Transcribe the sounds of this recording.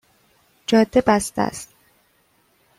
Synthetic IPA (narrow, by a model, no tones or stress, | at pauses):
d͡ʒɒːd̪̥ːebæst̪æ̰st̪